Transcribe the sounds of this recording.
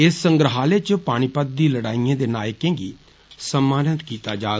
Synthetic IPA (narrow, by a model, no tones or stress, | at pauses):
ɪsːəŋɡɾəɦaːleːt͡ʃəpaːɽ̃iːpəd̪̚d̪iːləɽaːijãːd̪eːnaːjəkẽːɡiː | səmːaːnət̪kiːt̪aːd͡ʒaː